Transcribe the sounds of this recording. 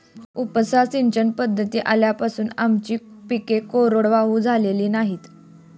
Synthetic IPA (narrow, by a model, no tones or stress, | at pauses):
upsasint͡ɕənpəd̪ʱːət̪iːʔaljapasuːnamt͡ɕiːpikekoɾoɽʋaɦuːd͡zʱaleliːnaɦiːt̪